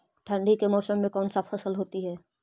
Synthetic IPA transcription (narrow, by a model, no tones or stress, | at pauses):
ʈʰə̃ɳɖikemɔːsəmːẽkɔːnsapʰəsəlɦoːt̪iɦɛː